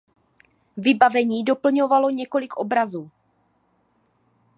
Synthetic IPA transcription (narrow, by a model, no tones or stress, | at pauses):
vɪbavɛɲiːdo̞pl̩ɲo̞valo̞ɲɛko̞lɪkʔo̞bɾazuː